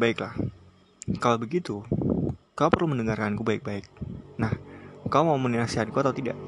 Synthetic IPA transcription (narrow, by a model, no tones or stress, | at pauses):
baɪklah | kalawbəɡit̪u | kaupərluməndəŋarkankubaɪk̚baɪk̚nahkawmauməninasiɦankuat̪awt̪ida̰ʔ